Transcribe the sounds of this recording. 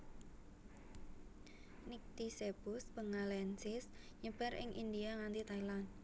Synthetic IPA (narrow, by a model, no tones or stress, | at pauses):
nik̚t̪isebʊsbəŋalɛnsɪsɲəb̥a̤ɾɪ̰ŋʔḭnd̪iaŋant̪it̪ailan